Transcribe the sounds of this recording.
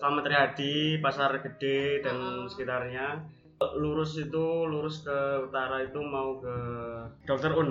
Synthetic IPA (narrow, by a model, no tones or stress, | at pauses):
səlamat̪aɾiɦadipasarɡ̥əd̥edansə̥kit̪arɲa | luɾʊsit̪uluɾʊskəut̪aɾait̪umaukəd̥ɔk̚t̪ərun